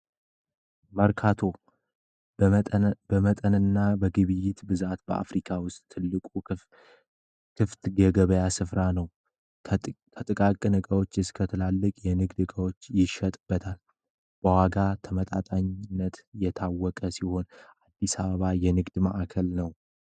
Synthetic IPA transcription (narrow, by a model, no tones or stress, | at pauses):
məɾkʰat̪ʰo̞ | bəmət̪ʼənɨnːabəɡɨβɨjɪt̪bɨzat̪bəa̰fɾikʰawʊst̪ʼʰːɨlːɨkʼu | kʰɨft̪ɡəɡəβəjasɨfɾanəw | t̪ʰət̪ʼɨkʼakʼɨnɨkʼəwo̞t͡ʃːɨskʰət̪ʰɨlalːɨkʼjɛnɨɡd̪ɨkʼəwo̞t͡ʃːjɪʃət̪ʼɨb̥ːət̪ʰal | b̥əwaɡat̪ʰəmət̪ʼat̪ʼaɲɪnːət̪jɛt̪ʰawːɔkʼəsiho̞nʔad̪ːisaβəβajɛnɨɡd̪maʔakʰəlnəw